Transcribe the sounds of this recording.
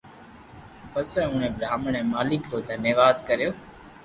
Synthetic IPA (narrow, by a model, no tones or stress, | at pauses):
pəsẽːʊːɳẽːbɾaːməɳɛ̃ːmaːlɪkɾoːd̪ʱənjəʋaːd̪kəɾjoː